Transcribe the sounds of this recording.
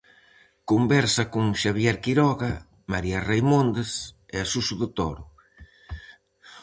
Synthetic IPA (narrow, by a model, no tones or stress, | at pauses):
kombɛɾsɐkuŋʃaβ̞jɛɾkiɾɔɣɐ | maɾiɐrejmond̪es | ɪasusʊðʊt̪ɔ̰ɾʊ